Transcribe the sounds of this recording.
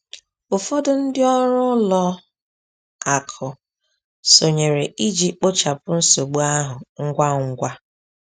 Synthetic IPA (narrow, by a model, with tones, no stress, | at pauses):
ʊ˨fɔ˦dʊ˦˨n̩˦dɪ˦ɔ˦ɾʊ˦lɔ˦ | a˨kʰʊ˨ | so˨ɲe˨ɾe˨ʔi˦d͡ʒi˦k͡po˦t͡ʃa˨pʊ˦n̩˦so˨ɡ͡bu˦a˦ɦʊ˨ŋ̩˦ɡʷa˦ŋ̩˦ɡʷa˦